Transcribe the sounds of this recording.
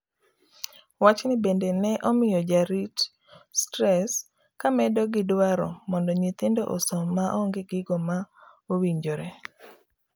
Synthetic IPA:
wat͡ʃnɪbendenɛʔɔmɪjɔd͡ʒaɾit | stɾɛs | kamɛdɔɡɪdwaɾɔ̰mɔndɔɲit̪ɪndɔʔo̰sɔmaʔɔŋɡɪɡɪɡɔma | owiɲd͡ʒoɾe

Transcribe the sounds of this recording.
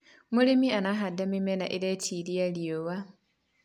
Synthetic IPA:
mulimianaɦadamimenaʔilecilialiowa

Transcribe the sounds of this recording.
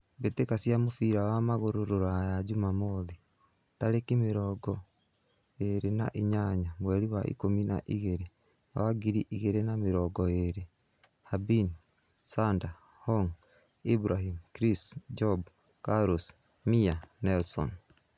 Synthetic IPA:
betekasiamofiɾawamaɣoɾoɾoɾajad͡ʒumamoði | taɾekimeɾɔːɡɔ | eɾena̰ʔiɲaɲamwɛɾiwaʔḭkomina̰ʔiɣeɾe | a̰waɡiɾiʔiɣeɾenameɾɔɡɔeɾe | habin | sanda | hɔŋ | ibɾahimkɾisd͡ʒɔb | kaɾos | mianɛlsɔ̰n

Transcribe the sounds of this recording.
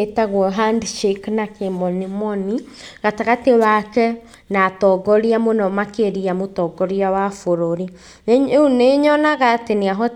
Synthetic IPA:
etaɣwɔɦandʃeknakemɔnimɔni | ɣataɣatewakɛ | natɔɡɔɾiamonɔmakeɾiamotɔɡɔɾiawafoɾoɾi | uneɲɔnaɣateneaɦɔ

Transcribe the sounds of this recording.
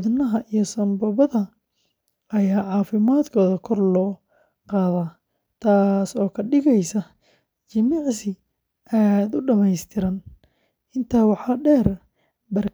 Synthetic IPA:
ðnɐɦɐʔijɞsɐnbɐβɐðɐ | ɐjaːʕɑːfɪmaːd̪kʰɔːðɐkʰɔrlɔː | qɑːðaː | t̪ʰaːsɔːkʰɐɖɪɣɛjsɐ | t͡ʃɪmiʕsɪ | ʔaːd̪ʊɖɐmɛjst̪ʰɪɾɐn | ɪnt̪ʰaːwɑħɑːɖɛːr | bɐr

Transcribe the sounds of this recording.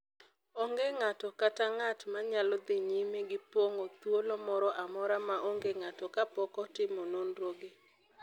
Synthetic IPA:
ɔŋɡeŋatɔkataŋatmaɲalɔd̪ɪɲimeɡɪpwoŋot̪wolɔmɔɾɔʔamɔɾamaʔoŋɡeŋatɔkapɔkɔtɪmononɾoɡe

